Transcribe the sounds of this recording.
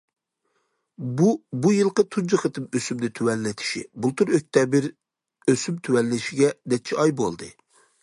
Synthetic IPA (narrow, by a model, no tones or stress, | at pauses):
bubujɨlˠqət̪ʰund͡ʒɨχɨt̪ʰɨmøsymd̪ɪt̪ʰywɛlːɪt̪ʰɪ̥ʃḭbulˠt̪ʰuɾøk̚ʲt̪ʰɛbɪɾ | øsymt̪ʰywɛlːɪʃiɡʲɛd̪ɛt͡ʃʰɛɑjbolˠd̪ɨ